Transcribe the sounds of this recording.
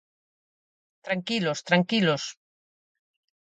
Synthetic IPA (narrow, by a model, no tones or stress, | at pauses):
t̪ɾaŋkilost̪ɾaŋkilos